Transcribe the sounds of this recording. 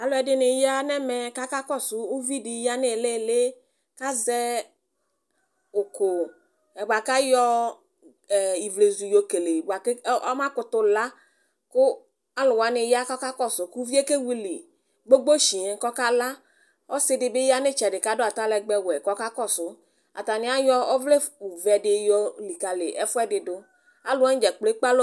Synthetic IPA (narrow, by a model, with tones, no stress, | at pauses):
a˨lʊ˦ɛ˨dɪ˦nɪ˨ja˦nɛ˦mɛ˨ka˦ka˦kɔ˦˨sʊ˨u˦vi˦dɪ˨ja˦nɪ˦˨le˦˨le˦ | ka˦zɛ˦ | ʊ˨ko˨ | ɛ˨bʷa˨ka˦jɔ˦˨ | i˨vle˨zu˨jo˨ke˨le˨ba˨kmã˦kʊ˦t̪ʊ˦la˦ | kʊ˦ | a˦lʊ˨wa˨˦nɪ˨ja˦kɔ˦ka˦kɔ˦˨sʊ˨ku˦vi˦e˦ke˦wi˦lɪ˨ | ɡ͡bo˦ɡ͡bo˦ʃi˨e˨˦kɔ˦ka˦la˦ | ɔ˦sɪ˦dɪ˨bɪ˦ja˦nɪ˦t͡ʃɛ˨dɪ˨ka˨˦do˦a˨t̪a˦lɛ˨ɡ͡bɛ˦wɛ˨kɔ˦ka˦kɔ˦sʊ˨ | a̰˨t̪a˨nɪ̃˨˦a˦jɔ˦ɔ˦vle˦u˨vɛ˨dɪ˨jɔ˦li˨ka˨lɪ̰˨ʔɛ˦fʊ˦ɛ˦dɪ˨dʊ˦ | a˦lʊ˦ɛ˦d͡ʒɛ˨k͡ple˦k͡pa˦lo˦